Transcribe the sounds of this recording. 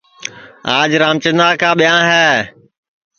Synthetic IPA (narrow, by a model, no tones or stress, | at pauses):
aːd͡ʒɾaːmt͡ʃənaːkʰãːɓijãːɦɛː